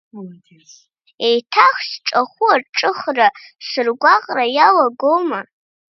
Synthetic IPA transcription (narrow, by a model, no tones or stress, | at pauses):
ejtʰaχʃʈ͡ʂʼaχʷuarʈ͡ʂʼɨχraʂʷɨrɡʷaqʼrajalaɡoma